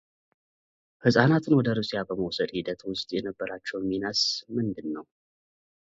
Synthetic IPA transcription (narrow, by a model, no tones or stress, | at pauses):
hɨsʼanat̪ʰɨnwɔd̪əɾusʼijabəməwsəd̪hid̪ət̪wʊst̪ʼjɛnəbːəɾat͡ʃːɛwminasmɨnd̪ɨnːəw